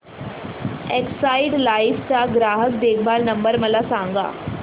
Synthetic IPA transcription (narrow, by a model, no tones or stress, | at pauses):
eksaːiɖlaːift͡saɡɾaːɦək̚d̪eːkʰbaːlnəmbəɾməlasãŋɡa̰ː